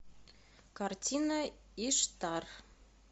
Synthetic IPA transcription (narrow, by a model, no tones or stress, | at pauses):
kɑrtʲinɑ | iʃt̪ɑr